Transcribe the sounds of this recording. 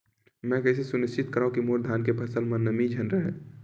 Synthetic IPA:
mɛ̃kəɪs̬esʊnɪst͡ʃɪt̪kəɾaːũkimoɾd̪ʱaːnkepʰəsəlmɐ̃nəmid͡ʒʱənɾəɦɛ̰̃ː

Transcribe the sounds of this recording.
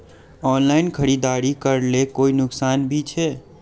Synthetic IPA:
ɔːnlaːɪnkʰəɾiːd̪aːɾikəɾlekoːinʊksaːnbʱit͡ʃʰɛː

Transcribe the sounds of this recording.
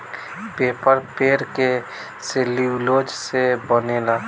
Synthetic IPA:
peːpəɾpeːɾke | seliwlod͡ʒsebənela

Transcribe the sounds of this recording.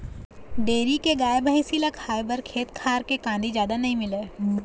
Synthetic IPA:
ɖeːɾikeɡaːebʱaːĩsiːlakʰaːjbəɾkʰeːt̪kʰaːɾkekãːnd̪id͡ʒjaːd̪anɐɦĩmɪleː

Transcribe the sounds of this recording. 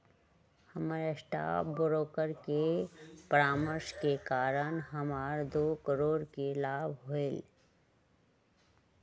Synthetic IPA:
həməɾesʈa̰ːbʊɾoːkəɾkepəɾaːməɾʃkekaːɾənɦəmaːɾd̪oːkəɾoːɾkelaːbʱɦoel

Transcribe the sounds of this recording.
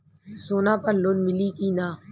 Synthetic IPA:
soːnãːpəɾlonmɪliːkiːnaː

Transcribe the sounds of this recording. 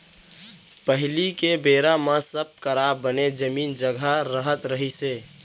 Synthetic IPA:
pəɦɪlikebeːɾamãsəb̚kəɾabːəned͡ʒəmiːnd͡ʒəɡʱaɾəɦət̪ɾəɦiseː

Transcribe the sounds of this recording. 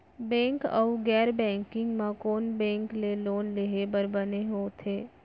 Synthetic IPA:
bɛ̃ːŋkə̰uɡɛːɾbɛ̃ːŋkɪ̃ŋɡmãkoːnbɛ̃ːŋkleloːnleɦebəɾbɐneɦoːt̪ʰeː

